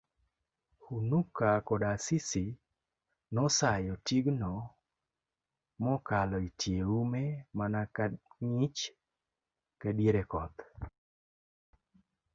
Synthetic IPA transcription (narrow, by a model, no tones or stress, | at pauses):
hunukakɔdasisi | nɔsajɔtiɡnɔ | mɔkalɔitjeumemanaŋit͡ʃ | kadjeɾekɔt̪